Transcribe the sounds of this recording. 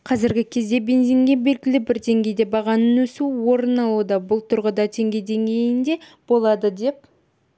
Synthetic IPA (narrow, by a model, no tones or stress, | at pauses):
qʰɑzɪɾɡʲɪkʲʰe̞zd̪e̞be̞nziŋɡʲe̞be̞lɡʲɪlɪbɪɾd̪e̞ŋɡʲe̞jd̪e̞bɑʁɑnənwɵsuwo̞ɾənɑlˠud̪ɑbʊlˠt̪ʰʊɾʁəd̪ɑt̪ʰe̞ŋɡʲe̞jd̪e̞ŋɡʲe̞jɪnd̪e̞ | b̥o̞lˠɑd̪əd̪e̞p̚